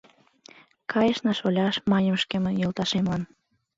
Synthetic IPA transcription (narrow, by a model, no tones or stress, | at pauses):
kɑjəʃnɑʃolʲɑʃmɑnʲəmʃkemənjolt̪ɑʃemlɑn